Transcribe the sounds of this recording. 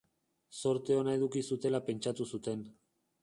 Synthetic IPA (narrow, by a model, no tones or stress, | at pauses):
so̞ɾt̪eo̞nae̞ðukisut̪e̞lape̞nt͡ʃat̪usut̪e̞n